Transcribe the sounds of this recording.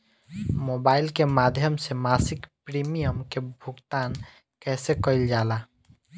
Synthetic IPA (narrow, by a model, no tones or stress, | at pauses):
mobaːɪlkemaːd̪ʱjəmsemasɪkpɾimijəmkebʱʊɡt̪aːn | kɛːsekəɪld͡ʒaːla